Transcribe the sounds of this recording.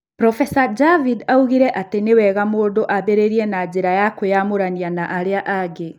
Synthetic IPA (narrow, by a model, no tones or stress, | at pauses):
pɾɔfɛsad͡ʒavidauɣiɾɛʔatenewɛɣamoːdoʔabeɾeɾiɛnad͡ʑeɾajakojamoɾanianaʔaɾeaʔaɡe